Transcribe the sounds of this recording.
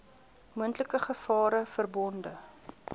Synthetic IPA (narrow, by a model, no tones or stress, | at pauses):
muəntləkəχəfɑːɾəfərbɔndə